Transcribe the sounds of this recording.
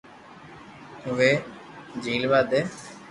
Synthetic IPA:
ʊʋeː | d͡ʒiːlʋaːd̪eː

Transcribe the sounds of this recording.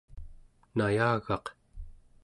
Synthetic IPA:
najaːɣɑq

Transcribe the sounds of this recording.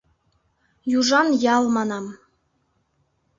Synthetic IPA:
juʒɑnjɑlˠmɑnɑm

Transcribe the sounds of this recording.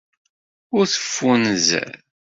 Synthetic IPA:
ʊɾθə̥fːunzæ̰ɾl

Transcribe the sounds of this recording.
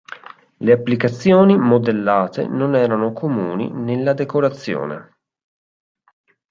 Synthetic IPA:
leapːlikat̪sːjoːnimod̪elːaːt̪ḛnonɛːɾanokʰomṵːnḭnelːad̪ekoɾat̪sːjo̰ːnḛ

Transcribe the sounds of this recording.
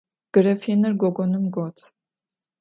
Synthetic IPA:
ɡ̥əɾɛfinəɾɡɔɡɔnumɡɔt͡sʰ

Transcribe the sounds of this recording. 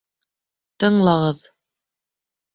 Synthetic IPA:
t̪ɤ̆ɴlˠɑʁɤð

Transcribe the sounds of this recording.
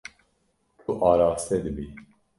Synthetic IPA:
t̪ʰuʔɑːɾaːst̪ʰɛd̪ɨbi

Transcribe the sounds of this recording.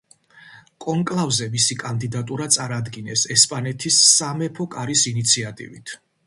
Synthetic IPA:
kʼɔŋkʼlˠavzɛmisikʼand̪id̪at̪ʼuɾat̪sʼaɾad̪ɡinɛsɛspʼanɛt̪ʰisːamɛpʰɔkʼaɾisinit̪sʰiat̪ʼḭvit̪ʰ

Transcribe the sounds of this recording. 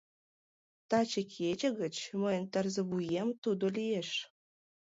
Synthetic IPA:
t̪ɑt͡ɕəkʰet͡ɕə̆ɣə̆t͡ɕməjənt̪ɑrzə̆βujemt̪ud̪olieʃ

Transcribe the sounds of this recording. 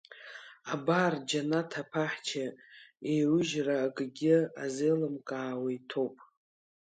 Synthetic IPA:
abard͡ʒanatʰapʰaħt͡ʃʰaejrʊʒraːɡʼɡʲɪazelɨmkʼaːwaitʰo̞wpʼ

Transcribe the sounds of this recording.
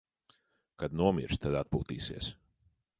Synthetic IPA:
kad̪nuɔmḭɾʃt̪ad̪at̪̚pṵːt̪ḭːsḭɛs

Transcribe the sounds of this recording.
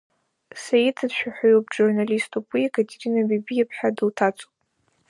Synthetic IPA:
sajitʰadʃᶣaħajop̚ʼd͡ʒurnalistʰupʼwiekʰatʲʰeɾinabibijepʰħadɨltʰat͡sʼo̥pʼ

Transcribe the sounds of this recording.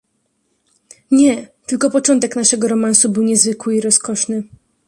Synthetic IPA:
ɲɛt̪ɘlkɔpɔt͡ʂɔnt̪ɛknaʂɛɡɔɾɔmansubɘwɲɛzvɘkwɘiɾɔskɔʂnɘ

